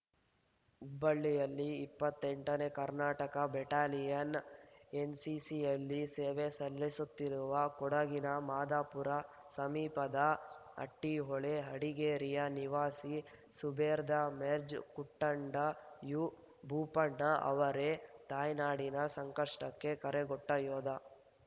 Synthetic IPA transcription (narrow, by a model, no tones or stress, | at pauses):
ubɐɭːijɐlːiːpːɐt̪ːeɳʈɐne̞kɐɾnaːʈɐkɐbɛʈaːlijɐnensisijɐlːiseːʋesɐlːisut̪ːiɾuʋɐkɔɽɐɡinɐmaːd̪aːpuɾɐ | sɐmiːpɐd̪ɐɐ̰ʈːiɦɔɭeɦɐɽiɡeːɾijɐniʋaːsi | subʱeːɾd̪ɐmeɾd͡ʒkuʈːɐɳɖɐju | bʱuːpɐɳːɐʔɐ̰ʋɐɾet̪aːjnaːɽinɐsɐŋkɐʂʈɐkːe̞kɐɾeɡɔʈːɐjɔːd̪ɐ